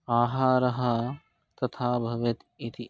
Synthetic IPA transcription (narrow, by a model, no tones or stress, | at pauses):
aːɦaːɾɐɦɐ | t̪ɐt̪ʰaːbʱɐʋet̪ | it̪ʰi